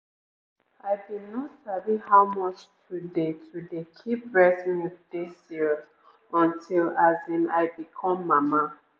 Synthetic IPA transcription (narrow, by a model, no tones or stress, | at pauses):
aɪdidnɔtsavihawmɔt͡ʃtʰudetʰudekʰip̚vɛsĩnidesiɹz | ɔ̃ntʰilazĩna̰ɪbikʰɔ̃mːama